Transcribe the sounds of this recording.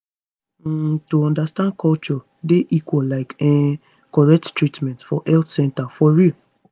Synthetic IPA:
toɔ̃ndastãnd̚kʰɔlt͡ʃɔ | deʔikwɔllaɪkɛ | kɔɹɛk̚ttɹitmɛ̃ntfɔʔɛlθsɛ̃ntafɔɹil

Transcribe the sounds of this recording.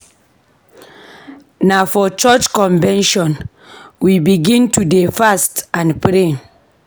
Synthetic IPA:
nafɔt͡ʃɔt͡ʃkɔ̃ɱvɛ̃nʃɔ̃n | wibiɡĩntudefastãnpɾen

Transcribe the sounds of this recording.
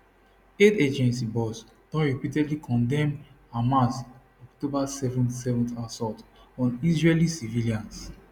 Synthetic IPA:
eted͡ʒɛ̃nsibɔs | d̥ɔ̃ɹɛpitɛdlikʰɔ̃ndɛ̃m | amas | ɔktobasɛvɔ̃nsɛvɔ̃ntasɔtɔ̃nizɹelisiviliãns

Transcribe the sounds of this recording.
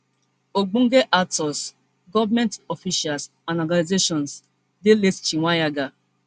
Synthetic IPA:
oɡ͡bũŋ̩ɡeʔatɔs | ɡɔvmɛ̃ntɔfiʃals | ãndɔɡanizeʃɔ̃ns | delett͡ʃiŋʷajaɡa

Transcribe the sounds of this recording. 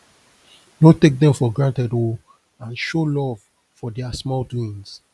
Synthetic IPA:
notek̚dɛ̃mfɔɡɹãntɛdo | ãnʃolɔv | fɔdɛasmɔldwĩns

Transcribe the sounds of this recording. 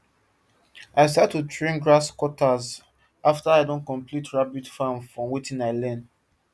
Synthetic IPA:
ʔaɪs̬atutʰɹẽnɡɹaskwɔtaz | ʔaftaaɪdõnkɔ̃mplitʰɹabidfãmfɹɔ̃mwitĩnaɪlɛ̃nd

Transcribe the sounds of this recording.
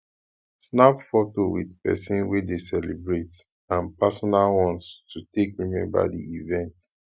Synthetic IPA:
snapfɔtowḭðpɛ̰sĩnwedesɛlibɹet | ãnpasɔnalwɔ̃nstʰutekwimɛ̰̃nba̰dḭivɛ̃nt

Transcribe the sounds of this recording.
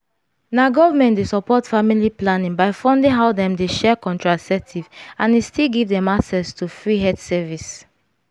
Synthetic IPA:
naɡɔvamɛ̃ntdesɔpɔtfamiliplanĩŋbaɪfɔ̃ndĩŋɦaʊdɛ̃mdeʃɛkɔ̃ntɹasɛtʰivãnestilɡivdɛ̃maksɛstufɹiɦɛtsɛvis

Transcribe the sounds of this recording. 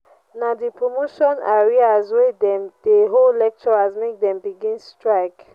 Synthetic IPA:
nadipʰɹomoʃɔ̃naɹiazwɛdɛ̃md̥eɦollɛk̚t͡ʃɔɹazmek̚dɛ̃mbiɡĩnstɹaɪk

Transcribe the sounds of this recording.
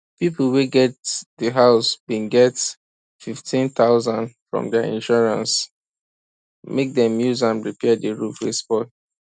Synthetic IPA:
pipl̩ˠweɡɛt̚dəɦaʊsbĩnɡɛt | fiftʰĩnθaʊzãndfɹɔ̰̃mdɛḭ̃nʃɔɹãns | mek̚dɛ̃mjuzãmɹipʰɛdəɹufɹḭsbɔ

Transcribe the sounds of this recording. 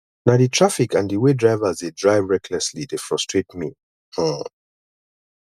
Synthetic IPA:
naʊditʰɹafikãndiwedɹaɪvəzdedɹaɪvɹɛkʰlɛslidefɹɔstʰɹ̥etmi

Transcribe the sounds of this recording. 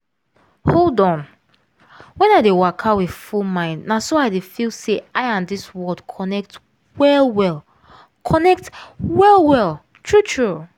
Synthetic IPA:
holˠdɔ̃n | wɛ̃naɪdewakʰawið̥fulmãɪ̃ndnasoaɪdefilˠseʔaɪãmdiswɜdkʰɔnɛk̚t | wɛlˠwɛlˠ | kʰɔnɛk̚twɛlˠwɛlˠ | tʰɹ̥utʰɹu

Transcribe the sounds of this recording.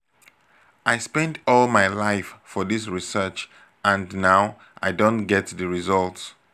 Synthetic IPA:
ʔaɪspɛ̃ndɔlˠmaɪlaɪffɔðis̬ɹisɜt͡ʃ | æ̃nnaʊ | ʔa̰ɪdõnɡɛtðəɹizɔlˠts

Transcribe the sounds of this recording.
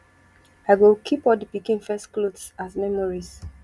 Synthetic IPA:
aɪwilkʰipɔldəpikĩnfɛstklodsasmɛmɔɹis

